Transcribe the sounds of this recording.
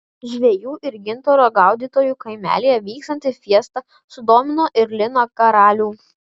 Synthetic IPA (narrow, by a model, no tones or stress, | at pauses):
ʒʲʋʲeɛjuːʔɪɾɡʲɪnt̪oːɾoːɡɐˑʊd̪ʲiːt̪oːjuːkɐɪmʲæ̰ːlʲijɛʋʲiːkst̪ɐnʲt̪ʲɪfʲiɛst̪ɐ | sʊd̪oːmʲɪnoːʔɪɾlʲɪnoːkɐɾɑːlʲuː